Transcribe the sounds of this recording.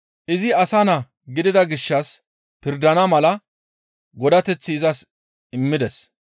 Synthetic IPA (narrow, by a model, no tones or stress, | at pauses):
ʔɪzɪɐsɐnɐ | ɡɪd̪ɪd̪ɐɡɪʃːɐs | pɪɾd̪ɐnɐmɐlɐ | ɡɔd̪ɐt̪ɛt͡sːɪːzɐs | ɪmːɪd̪ɛs